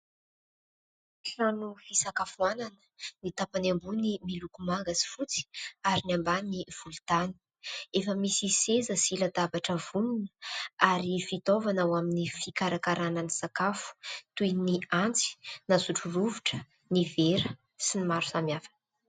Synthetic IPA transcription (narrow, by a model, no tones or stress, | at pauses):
ʈ͡ʂanufisakafuananə̥nit̪apanambunimilukumaŋɡasi̥fut͡si̥aɾinambaniv̥ult̪ani̥ | efəmisisezəsilad̪abaʈ͡ʂəvununəaɾifit̪ovanawaminifikaɾakaɾananisakafu̥t̪ujniant͡si̥nasuʈ͡ʂuruvuʈ͡ʂə̥ | niveɾə | sinimaɾu̥samjafḁn